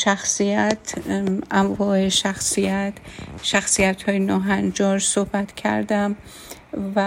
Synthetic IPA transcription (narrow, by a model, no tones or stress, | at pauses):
ʃæxsijæt̪ʰʔæɱvɒːeʃæxsijæt̪ʃæxsijæt̪hɒːjenɒːɦænd͡ʒɒːɾsohbæt̪cʰæ̰ɾd̪æm | væ